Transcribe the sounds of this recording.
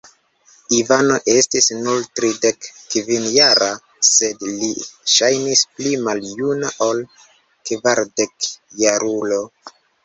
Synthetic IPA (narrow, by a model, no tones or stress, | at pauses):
ivano̞ʔe̞stisnultɾide̞kːvinjaɾa | se̞dliʃajnisplimaljunaʔo̞l | kvaɾde̞kjaɾulo̞